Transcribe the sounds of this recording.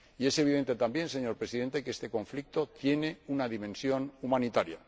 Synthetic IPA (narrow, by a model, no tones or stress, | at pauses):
ie̞se̞β̞iðe̞nt̪e̞t̪ambje̞nse̞ɲo̞ɾpɾe̞siðe̞nt̪e̞kest̪e̞ko̞ɱflik̚t̪o̞t̪je̞ne̞unaðimẽ̞nsjo̞numanit̪aɾja̰